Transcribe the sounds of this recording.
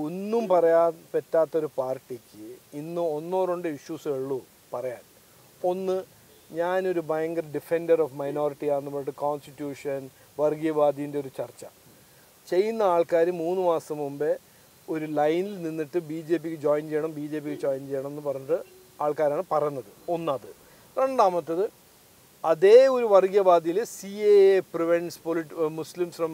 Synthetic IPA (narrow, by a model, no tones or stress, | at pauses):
onːumpɐrɐjaːnpetːaːt̪ːɐo̞ɾupaːrʈːikʲːɨinːɨo̞nːoːruɳɖɨiʂjuseɭːu | pɐrɐjaːn | o̞nːɨ | ɲaːno̞ɾubʱajɐŋɡɐrɖife̞ndɐrofmɐjno̞ːriʈːiaːnːuboɭʈːɨkoːnstitːjuːʂɐn | ʋɐrɡijɐbaːd̪ʱijindeoɾut͡ɕɐrt͡ɕːɐ̰ | t͡ɕe̞jːunːɐaːɭkaːɾɨmːuːnːɨmaːsɐmumbe | o̞ɾulɐjnilninːiʈːɨbiːd͡ʑe̞ːp̬ːikʲːɨd͡ʑoːjnt͡ɕejɐɳɐmbiːd͡ʑe̞ːp̬ːikʲːɨd͡ʑoːjnt͡ɕe̞jːɐɳɐme̞nːɨpɐrɐɲːuʈːɨ | aːɭkaːɾaːɳɨpɐrɐjunːɐðɨo̞nːɐːðɨ | re̞ɳɖaːmɐt̪ːɐðɨ | ɐðe̞ːo̞ɾuʋɐrɡijɐbaːd̪ʱijilsieepriʋeɳspoliʈmuslimsfrɐm